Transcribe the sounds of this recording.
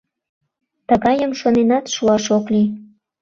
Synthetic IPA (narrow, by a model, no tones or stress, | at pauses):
t̪əɣɑjəmʃonenɑt̪ʃuɑʃokli